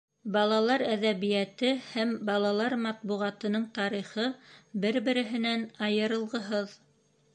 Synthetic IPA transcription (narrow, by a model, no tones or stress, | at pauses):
bɑlˠɑlˠɑɾæðæβijæt̪ɘhæmbɑlˠɑlˠɑɾmɑt̪̚buʁɑt̪ɤ̆nɤɴt̪ɑɾiχɤbɘɾbɘ̆ɾɘ̆ɦɘ̆nænɑjɤ̆ɾɤ̆lˠʁɤ̆ɦɤð